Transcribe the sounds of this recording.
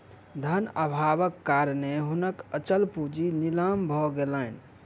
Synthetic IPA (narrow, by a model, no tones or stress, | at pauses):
d̪ʱənəbʱabəkːaɾneɦunəkət͡ʃəlpud͡ʒinilambʱɔɡelən